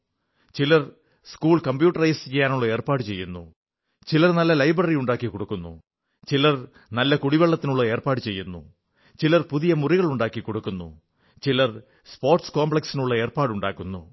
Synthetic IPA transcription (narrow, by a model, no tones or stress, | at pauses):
t͡ɕilɐr | skuːɭkɐmbjuːʈːɐrɐjsɨt͡ɕejːaːnuɭːɐe̞ːrpaːɽɨt͡ɕe̞jːunːṵ | t͡ɕilɐrnɐlːɐlɐjbrɐrijuɳɖaːkːikoɽukːunːṵ | t͡ɕilɐr | nɐlːɐkuɽiʋeɭːɐt̪ːinuɭːɐe̞ːrpaːɽɨt͡ɕe̞jːunːṵ | t͡ɕilɐrpuðijɐmuriɣɐɭuɳɖaːkːikoɽukːunːṵ | t͡ɕilɐr | spoːrʈskoːmbɭɐksinuɭːɐe̞ːrpaːɽuɳɖa̰ːkːunːṵ